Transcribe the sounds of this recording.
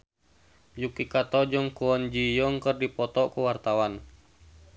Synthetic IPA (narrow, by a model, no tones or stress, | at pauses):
jukikat̪ɔd͡ʒɔŋkuɔnd͡ʒijɔŋkərdipɔt̪ɔkuwart̪awan